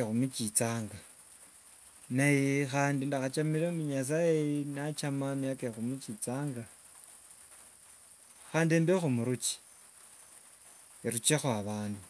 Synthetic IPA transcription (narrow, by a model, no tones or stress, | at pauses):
exumut͡ʃit͡saːŋɡa | najexaːndindaxat͡ʃamiɾeumuɲas̬ajenat͡ʃamamijakexumut͡ʃit͡saːŋɡa | xaːndiembexumuɾut͡ʃi̥ | iɾut͡ʃexwaβaːndu